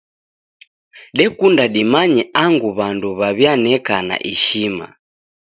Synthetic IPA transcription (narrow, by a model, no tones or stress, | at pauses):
ɗɛkundaɗimaɲɛaŋɡuβanduβaβjanɛkana̰ʔiʃima̰